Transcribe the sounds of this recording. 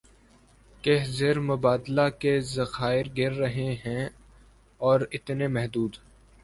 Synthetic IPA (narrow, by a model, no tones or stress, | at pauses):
keɦzeɾmʊbaːd̪lakezɐxaːɪɾɡɪɾːɐɦeɦɛ̃ | ɔːɾɪt̪nemɛɦd̪uːd̪